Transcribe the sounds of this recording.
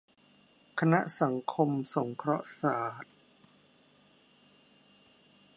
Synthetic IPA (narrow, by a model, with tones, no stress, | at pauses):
kʰa˧na˦˥ʔsa˩˦ŋkʰo˧mso˩˦ŋkʰɾɔ˦˥ʔsaː˩˦t̪̚